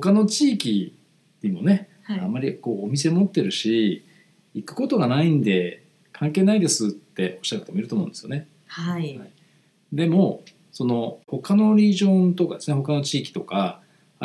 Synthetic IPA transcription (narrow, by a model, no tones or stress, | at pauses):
hokano̞t͡ɕiːkʲi | imo̞̰ne̞ | amːaɾʲiko̞ːmʲis̬e̞mo̞t̪ːe̞ɾɯ̟ɕi | ikɯ̟̥ko̞t̪o̞ɡanaĩnd̪e̞ | kʰãŋke̞ːnaid̪e̞sɨt̪ːe̞o̞ɕːaɾɯkot̪omiɾɯ̟t̪omõ̞̰nd̪esɨjo̞ne̞ | haihai | d̪e̞mo̞ | so̞no̞ho̞kano̞ɾʲiʑõ̞nt̪o̞kad̪e̞sɨneɦo̞kano̞t͡ɕiːkʲi̥t̪o̞ka